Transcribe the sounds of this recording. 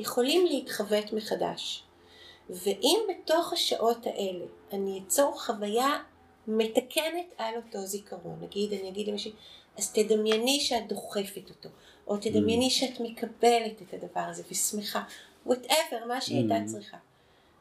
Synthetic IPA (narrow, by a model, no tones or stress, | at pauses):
jeχo̞limleitχavetmeχada̰ʃ | ve̞ʔimbeto̞χhaʃaʔo̞taʔe̞le̞aniat͡soʁχavaja | me̞takʰe̞ne̞talo̞to̞zikʰɐʁo̰nːaɡidaniaɡidlemaʃi | aztedamjeniʃeat̚d̪o̞χe̞fetoto̞ | ʔotedamjeniʃeatme̞kʰabe̞le̞tethadɐvaʁaze̞vismeχa | woteveʁmaʃeajtat͡sʁiχa